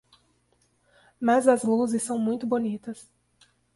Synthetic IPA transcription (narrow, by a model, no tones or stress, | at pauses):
mɐzɐzluzɪsːɐ̃w̃mũj̃t̪ʊbonit̪ɐs